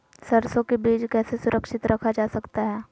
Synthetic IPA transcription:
sɐɾsõkebiːd͡ʒkɛːsesʊɾʔəkʃɪt̪ɾʔɐkʰad͡ʒaːsɐkt̪aɦɛː

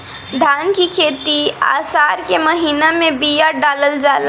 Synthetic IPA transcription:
d̪ʱankikʰet̪ia̰saɾkeməɦinamebijaɖaləld͡ʒal

